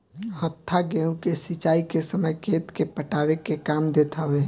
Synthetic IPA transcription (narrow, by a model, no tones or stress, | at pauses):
hət̪ʰːaɡɛ̃ũkesit͡ʃaːikesəməjkeːt̪kepəʈaːwekekaːmd̪et̪ʰaɦʊe